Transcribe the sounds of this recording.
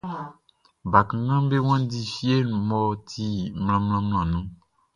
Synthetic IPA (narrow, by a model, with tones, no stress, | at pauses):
ba˨kã˨ɡã˦be˦w̃ã˦di˦fi˦e˦nũ˨mɔ˨t̪ʰi˦ml̃ã˨mlã˦ml̃ã˨nũ˦